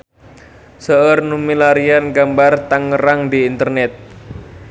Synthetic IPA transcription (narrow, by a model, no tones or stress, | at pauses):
səərnumilaɾianɡambart̪aŋːəɾaŋdiːnt̪ərnɛt̪̚